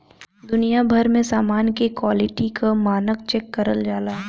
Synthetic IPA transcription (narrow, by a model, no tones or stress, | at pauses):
d̪ʊnijabʱɐɾmẽsaːmaːnkekwaːlɪʈikʰamaːnəkt͡ʃɛːkːɐɾəld͡ʒaːlaːɦɛ